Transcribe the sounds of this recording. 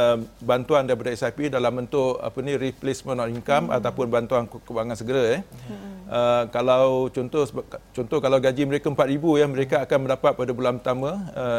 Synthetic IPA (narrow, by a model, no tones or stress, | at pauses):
əbant̪uandajpadaɛsapidalambənt̪ʊʔa̰pənĩɾiplesmə̃nɔʔiŋkama̰t̪awpʊnbant̪uankəbaŋansəɡəɾajɛh | əkalawt͡ʃɔnt̪ɔt͡ʃɔnt̪ɔhkalawɡad͡ʒiməɾekaəmpat̪̚ɾibujaməɾekaːkanmə̃ndapat̪̚padabulanput̪amə̃ə